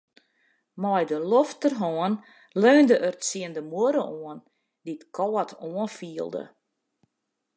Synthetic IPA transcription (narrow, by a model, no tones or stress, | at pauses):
mɔjdəloftərɦɔən | løːndəʔərsiəndəmuəɾəʔoən | ditkʰɔːətʰoənfiəlˠdə̰